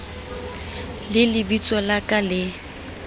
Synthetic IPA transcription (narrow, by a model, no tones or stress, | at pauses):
lɪlɪbit͡sʼɔlakʼalɪ